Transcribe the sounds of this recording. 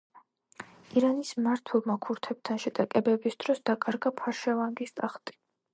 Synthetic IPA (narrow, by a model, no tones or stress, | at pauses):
iɾanismaɾt̪ʰwɛlˠmakʰuɾt̪ʰɛb̚t̪ʰanʃɛt̪ʼakʼɛbɛbisd̪̥ɾɔsd̪̥akʼaɾɡapʰaɾʃavaŋɡist̪ʼaχt̪ʼi̥